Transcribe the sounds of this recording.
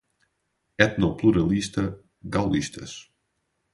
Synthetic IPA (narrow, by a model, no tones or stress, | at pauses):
ɛt̪nɔpluɾalist̪ə | ɡawlist̪ʰə̰s